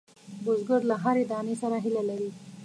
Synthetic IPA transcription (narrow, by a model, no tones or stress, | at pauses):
bʊzɡəɾlaɦaɾed̪ɑːnesaɾaɦilalaɾi